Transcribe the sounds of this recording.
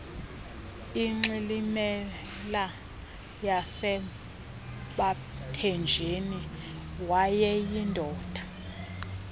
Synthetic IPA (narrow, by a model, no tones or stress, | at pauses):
iŋ͡ǁilimɛ | la | jasɛ | ɓa | tʰɛnd͡ʒʱeni | wajɛjindʱɔːd̥ʱḁ